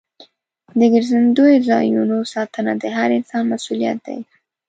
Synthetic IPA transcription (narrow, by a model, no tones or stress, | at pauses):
d̪əɡəɾzand̪ojozɑ̰junosɑt̪ənad̪əɦaɾɪnsɑnmasulija̰t̪̚d̪a̰j